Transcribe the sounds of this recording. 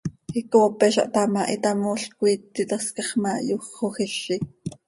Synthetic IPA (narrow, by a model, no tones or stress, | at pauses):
hikoːpɛʃɑ̰ʔt̪ɑmɑʔit̪ɑmoːɬkuiːt̪ːit̪ɑskɑχmɑjuχoxiʃi